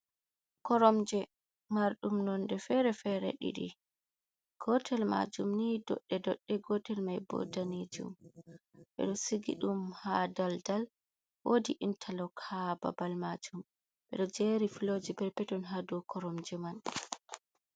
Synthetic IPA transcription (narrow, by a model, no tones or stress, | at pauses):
kɔɾɔmd͡ʒɛ | maɾɗumnɔndɛfɛɾɛfɛɾɛ̰ɗḭɗḭ | ɡ̥ɔtʰɛlma̰d͡ʒumnidɔ̰ɗːɛdɔɗːɛɡɔtɛlmajbɔ̰danid͡ʒṵm | ɓɛ̰ɗɔsiɡḭɗumhadaldal | wodiʔintʰalɔkʰaba̰balmad͡ʒum | ɓɛ̰ɗɔd͡ʒeɾifiloːd͡ʒibɛɾpɛtɔnɦadɔkʰɔɾɔmd͡ʒɛman